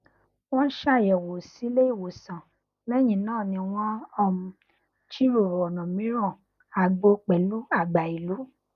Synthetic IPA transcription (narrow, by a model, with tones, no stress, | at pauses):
w̃ɔ̃˦n̩˦ʃa˦˨jɛ˨wo˨si˨˦le˦i˦˨wo˨sã˨ | lɛ˦˨j̃ĩ˨nãː˦˨nĩ˧˨w̃ɔ̃˦ɔ˦˨mũ˧ | t͡ʃi˦ɾo˦˨ɾɔ˨nɔ̃˨mĩ˨˦ɾ̃ɔ̃˦˨ | a˨ɡ͡bo˧k͡pɛ˨lu˦a˦˨ɡ͡ba˨i˨lu˨˦